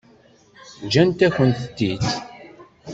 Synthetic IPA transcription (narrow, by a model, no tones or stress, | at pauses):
d͡ʒænt̪æçənt̪ət̪ːit̪